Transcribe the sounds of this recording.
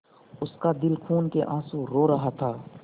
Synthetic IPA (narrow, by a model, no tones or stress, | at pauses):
ʊskad̪ɪlkʰuːnkeʔãːsũɾoːɾɐɦat̪ʰaː